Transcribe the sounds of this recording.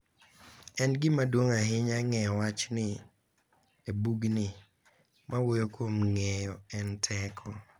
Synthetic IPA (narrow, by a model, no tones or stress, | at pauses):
ɛnɡɪmadwoŋaɦɪɲaŋɛjɔwat͡ʃnɪ | ebuɡnɪ | mawojokwomŋɛjɔɛntʰɛkʰɔ